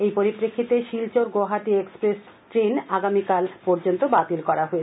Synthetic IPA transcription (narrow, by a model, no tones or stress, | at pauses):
ejpoɾipːɾekʰːit̪eʃilt͡ɕoɾɡoɦaʈiekspɾes | ʈɾenaɡamikalpɔɾd͡ʑont̪obat̪ilkɔɾaɦoet͡ɕʰ